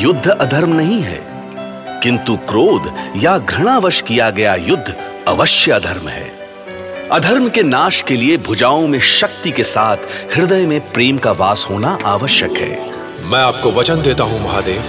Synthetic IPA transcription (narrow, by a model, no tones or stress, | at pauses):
jʊd̪ʱːɐd̪ʱɐɾmnɐɦĩɦɛ̰ː | kɪ̃nt̪ukɾoːd̪jaɡʱɾɐɽ̃aːʋəʃkijaɡɐjajʊd̪ʱː | ɐ̰ʋəʃjəɐd̪ʱɐɾmɦɛ̰ː | ɐd̪ʱɐɾmkenaːʃkeliebʱʊd͡ʒaːõmẽʃɐkt̪ikesaːt̪ʰhɪɾd̪əjmẽpɾeːmkaʋaːsɦoːnaʔaːʋəʃjəkɦɛ̰ː | mɛ̃ːaːp̚koʋɐt͡ʃənd̪eːt̪aɦũmɐɦaːd̪eːʋ